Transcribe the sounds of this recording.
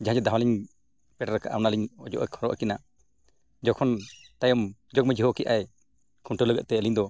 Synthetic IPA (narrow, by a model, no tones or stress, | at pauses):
d͡ʒaɦãd͡ʒɛd̪awaliɲ | pɛʈaɾɛkaʔawnaliɲɔd͡ʒɔ̰ʔɔkʰɔɾɔʔa̰kina | d͡ʒɔkʰɔn | t̪ajɔmd͡ʒɔk̚mɛd͡ʒiɦɔkɛʔaj | kʰuɳʈələɡəʔ̪̚t̪ɛːliɲd̪ɔ